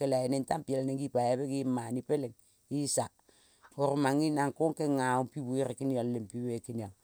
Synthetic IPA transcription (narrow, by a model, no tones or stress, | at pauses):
kelaenentampielnekipajebekimanipeleŋ | isa | oɾmaŋinaŋkoŋkeŋaompibuiɾekinallempiwekinal